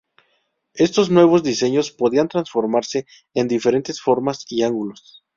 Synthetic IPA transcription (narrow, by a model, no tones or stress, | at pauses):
e̞st̪o̞znwe̞β̞o̞zd̪ise̞ɲo̞spo̞ðiant̪ɾansfo̞ɾmaɾse̞ː | nd̪ife̞ɾe̞nt̪e̞sfo̞ɾmasiaŋɡulo̞s